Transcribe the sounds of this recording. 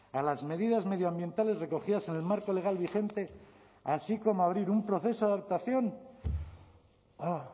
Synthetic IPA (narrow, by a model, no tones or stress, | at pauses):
alazme̞ðiðazme̞ð̞joambje̞nt̪ale̞zre̞ko̞xiðase̞ne̞lmaɾko̞le̞ɣ̞alβixe̞nt̪e̞ | asiko̞moaβ̞ɾiɾumpɾo̞θe̞so̞aðap̚t̪aθjo̞n | o